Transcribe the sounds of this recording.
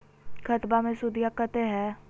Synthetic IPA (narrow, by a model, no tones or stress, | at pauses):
kʰət̪bamẽsʊd̪ijakət̪eɦɛː